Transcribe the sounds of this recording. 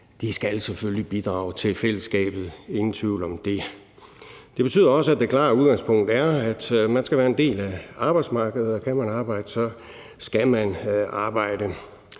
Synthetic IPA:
d̥isɡ̥ælseføljib̥id̥ʁɑ̈ːʊt͡sʰe̝lfel̰əsɡ̥ɛ̰ːb̥ð̞̩ˠe̝ŋn̩t͡sʰʋiʊ̰lɒ̽md̥e̝ | d̥e̝b̥e̝t͡sʰy̰ðˠɐɒ̽səæd̥ekʰlɑ̰̈ːuðˠɡ̥ɑ̈ŋspʰɔ̽ŋ̰d̥æɐæd̥mænsɡ̥æʋæːɐend̥e̝̰ːlæɑ̈b̥ɑ̈ɪd̥smɑ̈ːɡ̥əð̩ˠɒkʰæmænɑ̈ːb̥ɑ̈ɪ̰d̥əsɒ̽ | sɡ̥æmænɑ̈ːb̥ɑ̈ɪ̰d̥ə

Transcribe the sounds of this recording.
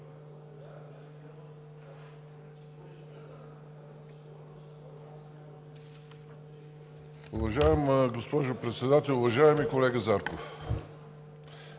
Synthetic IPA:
ʊvɐʒaɛmɡospɔʒʊpɾɛt̪sɛd̪at̪ɛlˠʊvɐʒaɛmikolɛɡəzaɾkof

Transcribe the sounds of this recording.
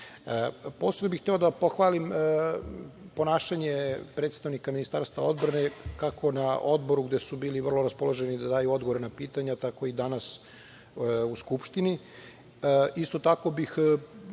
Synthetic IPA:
po̞senobixt̪e̞o̞d̪apoxʋaːlim | po̞naːʃaɲepɾet̪st̪aʋnikaminist̪a̰ɾst̪vao̞d̪bɾane̞kakʰo̞nao̞d̪bo̞ɾuɡd̪esubiːliʋər̩lˠo̞ɾaspo̞lˠoʒenid̪ad̪aːjuo̞d̪ɡooɾenapiːt̪aɲat̪ako̞id̪anas | uskupʃt̪ini | ist̪o̞t̪ako̞bix

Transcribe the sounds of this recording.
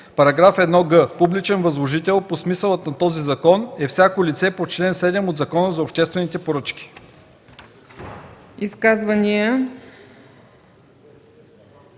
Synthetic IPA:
pɐɾɐɡɾafɛd̪nɔɡɤpublit͡ʃɛnvɐzlˠoʒit̪ɛlˠposmisəlˠət̪nɐt̪ɔzizɐkɔnɛfsʲjakolʲit̪sɛpot͡ʃlɛnsɛd̪ɛmod̪zɐkɔnəzɐopʃt̪ɛst̪vɛnit̪ɛpoɾɤt͡ʃk̟ʲi̥ | iskazvɐnijə

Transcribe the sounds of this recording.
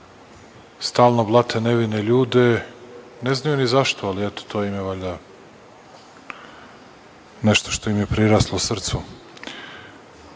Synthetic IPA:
st̪aːlˠnoblˠat̪ʰeneʋineʎuːd̪e̞ | neznajunizaʃt̪oaliɛt̪o̥t̪ʰojimjeʋaʎa | neʃt̪oʃt̪o̞imjepɾiɾaːslˠosr̩t̪su

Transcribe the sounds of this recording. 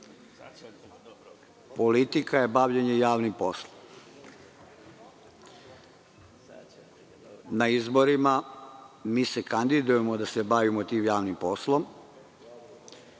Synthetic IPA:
po̞lit̪ikajebaʋʎeɲejaːʋnimpo̞slˠom | naizboɾima | miːsekand̪id̪ujemod̪asebaʋimot̪iːmjaːʋnimpo̞slˠo̞m

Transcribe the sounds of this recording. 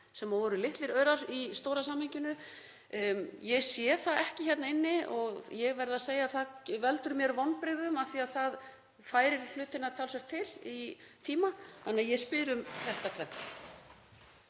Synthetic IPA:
sɛmavɔːɾʏlɪht̪lɪɾœːɥɾaɾist̪owɾasaːmhɪɲcɪnʏ | jɛɣsjɛθaɛhcɪçjɛt̪naɪnːɪɔɣjɛɣvɛɾðaseːjaθavɛlt̪ʏɾmjɛɾvɔnpɾɪɣðʏmaθiaðθað | faːjɾɪɾl̥ʏːt̪ɪnat̪ʰaːlsɛɾt̪ʰːɪlit̪ʰiːmaθanːɪajɛspɪːɾʏmθɛht̪at̪ʰvɛh̪a

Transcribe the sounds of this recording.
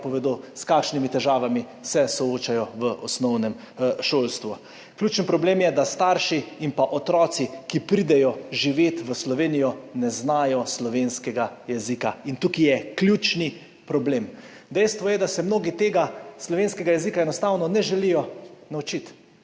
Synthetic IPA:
pɔʋɛd̪oskaːkʃnimit̪ɛʒaːʋami | sɛsɔoːt͡ʃajɔʋəʔɔsnɔwnɛm | ʃoːlst̪ʋu | kljuːt͡ʃənpɾɔbleːmjɛd̪ast̪aːɾʃiimpaʔɔt̪ɾɔːt̪sikipɾid̪ɛjɔʒiʋeːt̪ʋəslɔʋeːnijɔnɛznaːjɔslɔʋeːnskɛɡajɛzikaint̪ukijɛklʲjuːt͡ʃni | pɾɔbleːm | d̪ɛjst̪ʋɔjɛd̪asɛmnoːɡit̪eːɡaslɔʋenskɛɡajɛzikaɛnɔst̪aːwnɔnɛʒɛlijɔnaut͡ʃit̪

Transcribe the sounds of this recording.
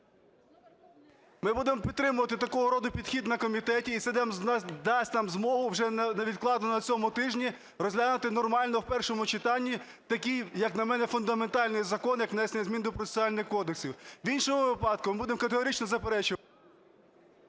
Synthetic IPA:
mɪbud̪emɔpʲidt̪ːɾɪmʊʋɐt̪ɪt̪ɐkɔɦɔɾɔd̪ʊpʲid̪xʲid̪nɐkɔmʲit̪ɛtʲiːt̪sɛd̪ɑmd̪ɑsʲtʲnɑmzmɔɦʊwʒɛnɐʋʲid̪̚klˠɑd̪nɔnɔnɐt͡sʲɔmʊt̪ɪʒnʲi | rɔzʲlʲanɐt̪ɪnɔrmɑlʲnɔwpɛrʃɔmʊt͡ʃɪt̪ɑnʲːi | t̪ɐkʲijjɐknɐmɛnɛfʊnd̪ɐment̪ɑlʲnɪjzɐkɔnjɐknɛsjzʲmʲind̪ɔpɾɔe̥sʲɑlʲnɪxkɔd̪eksʲiwwinʃɔmʊʋɪpɑd̪kʊmɪbud̪emkɐt̪eɦɔɾʲit͡ʃnɔzɐpeɾɛt͡ʃʊ

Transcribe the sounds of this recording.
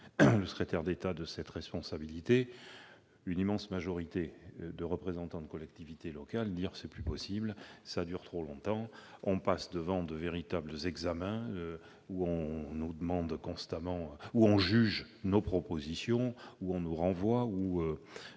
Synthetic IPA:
ləsə̥kχet̪ɛʁd̪et̪ad̪əsɛt̪ʁɛspɔ̃sabilit̪e | ynimɑ̃smaʒɔʁit̪ed̪əʁəpχezɑ̃t̪ɑ̃d̪əkɔlɛk̚t̪ivit̪elɔkald̪iʁsɛplypɔsiblsad̪yʁt̪χolɔ̃t̪ɑ̃ɔ̃pasd̪əvɑ̃d̪əveʁit̪abləzɛɡzamɛ̃ø | uɔ̃nud̪əmɑ̃d̪kɔ̃st̪amɑ̃uɔ̃ʒyʒ | nopχɔpozisjɔ̃uɔ̃nuʁɑ̃vwauø

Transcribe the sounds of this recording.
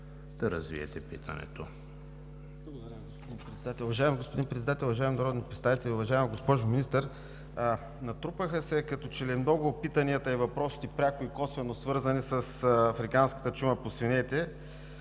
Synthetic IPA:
d̪̥ɐɾɐ̰zvḭɛ̰t̪ɛpḭt̪ʰə̰nɛ̰t̪o | blˠɐɡod̪ɐɾʲjɐɡospod̪inpɾɛt̪sɛd̪at̪ɛlˠʊvɐʒaɛmiɡospod̪inpɾɛt̪sɛd̪at̪ɛlˠʊvɐʒaɛminɐɾɔd̪nipɾɛt̪st̪avit̪ɛlʲiʊvɐʒaɛmiɡospɔʒʊminist̪əɾ | nɐt̪ɾupəxəsɛkɐt̪ɔt͡ʃɛlɛmnɔɡʊpit̪ɐniət̪əivɐpɾɔsi̥t̪ipɾʲakʊikɔsvɛnosvɤɾzənisəsɐfɾikanskə̥t̪ət͡ʃuməposvinɛt̪ɛ

